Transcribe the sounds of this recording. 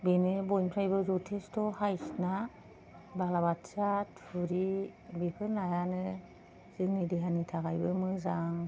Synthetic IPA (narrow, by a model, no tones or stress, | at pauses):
binɯbɔjnpʰɾajbɯzutʰestɔhajsna | balabatsat̚pʰɯɾibipʰɯɾnajanɯ | z̥ɯŋnidiɦanitʰaɡajbɯmɯzaŋ